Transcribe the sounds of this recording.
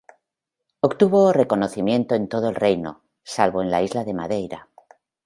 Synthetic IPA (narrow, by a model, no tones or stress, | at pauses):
okt̪uβo̞re̞ko̞no̞θimjẽ̞nt̪oe̞nt̪o̞ð̞oelre̞jno̞̰ | salβo̞e̞nla̰izlaðe̞ma̰ðe̞jɾa